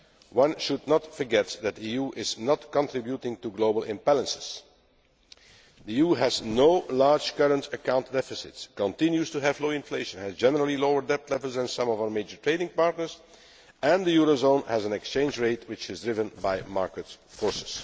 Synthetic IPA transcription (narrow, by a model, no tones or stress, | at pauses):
wʌ̃nʃʊdnətfə˞ɡɛtðæt̚diijuʔɪznɔtkɔ̃ntɹɪbjutɪ̃ŋtuɡloʊbəlˠɪ̃mbælə̃nsɪ̥z̥ | d̪iijuːɦæznoʊlɑɹd͡ʒkʌɹə̃ntʰəkãʊ̃ntdɛfɪsɪ̰tskə̃ntɪ̃njustuɦævloʊɪ̃nfleɪʃə̃næzd͡ʒɛnəɹəl̩ˠiloʊəɹdɛp̚tlɛvlˠzðɛ̃nsʌ̃mɔvaʊə˞meɪd͡ʒə˞tʰɹeɪnɪ̃ŋpɑɹtnəɹz | ɛ̃nd̪əjuɹozõʊ̃nhæzə̃nɛkst͡ʃẽɪ̃nd͡ʒɹeɪtʰwɪt͡ʃɪzdɹɪvə̃nbaɪmɑɹkətfɔɹsɪ̥s